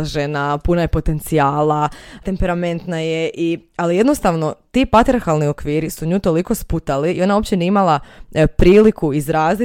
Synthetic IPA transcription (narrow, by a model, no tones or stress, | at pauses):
ʒenapunaje̞po̞t̪e̞nt̪sijaːlat̪e̞mpe̞ɾame̞nt̪naje̞ʔialije̞d̪no̞st̪aʋno̞t̪iːpat̪ɾiaɾxalˠnio̞kʋiːɾisuɲuːt̪o̞liko̞sput̪aliio̞nao̞pt͡ɕe̞niimalˠapɾiːlikʰuizɾaːzi